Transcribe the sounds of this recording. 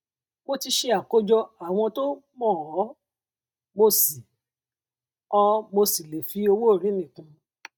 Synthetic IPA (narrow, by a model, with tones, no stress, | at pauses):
wo˦ti˧ʃe˧a˨ko˦d͡ʒɔ˧a˨w̃ɔ̃˧to˦ | mɔ̃˦˨ɔ˨˦ | mo˧si˨ | ɔ˧mo˧si˨le˨fi˨˦o˧wo˦˨ɾ̃ĩ˨˦nĩ˦˨kũ˧